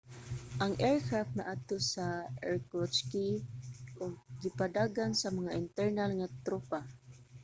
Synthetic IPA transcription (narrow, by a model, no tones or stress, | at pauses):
ʔaŋʔɛɹkafnaʔat̪osaɛɹkɔt͡ʃkiʔʊɡ̚ɡɪpad̪aɡansamaŋaʔɪnt̪ɛɹnalŋat̪ɾopa